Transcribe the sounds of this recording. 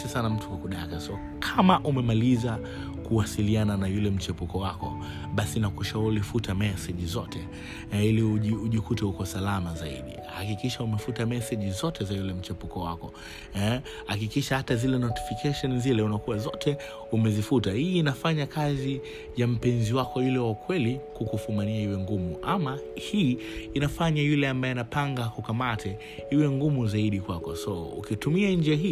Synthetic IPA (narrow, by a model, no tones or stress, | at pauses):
ɛsanam̩tukukuɗakɛsɔ | kʰamaʔumɛmaliza | kuwasiliananajulɛm̩t͡ʃɛpukɔwakɔ̰ | ɓasinakuʃaulifutamɛsɛʄizɔtʰɛ | iliuiuʄikutɛhukɔsalamazaḭɗḭhakikiʃaumɛfutamɛsɛʄizɔtʰɛzajulɛm̩t͡ʃɛpukɔwa̰kɔ | ɛ | hakikiʃahatazilɛnɔti̥fikʰɛʃɔnzilɛunakuwazɔtʰɛ | umɛzifutahiːnafaɲakazi | jam̩pɛnziwakɔjulɛwakwɛlikukufumaniaiwɛŋɡumuʔamahiː | nafaɲajulɛambaɛnapaŋɡakukamatʰɛ | hiwɛŋɡumuzaiɗikwakɔsɔṵkitumiand͡ʒiaɦi